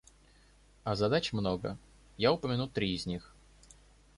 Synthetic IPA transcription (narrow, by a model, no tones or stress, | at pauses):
ɐzɐd̪at͡ɕmno̞ɡə̰ | jaʊpəmʲɪnut̪ɾʲiɪzʲnʲix